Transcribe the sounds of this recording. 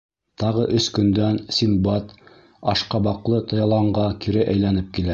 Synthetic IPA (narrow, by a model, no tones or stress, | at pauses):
t̪ɑʁɤʔɵskɵ̆nd̪ænsʲimbɑt̪ | ɑʃqɑbɑqlˠɤt̪ɤ̆jɑlˠɑɴɢɑkʰiɾɘʔæjlænɘp̚kilæ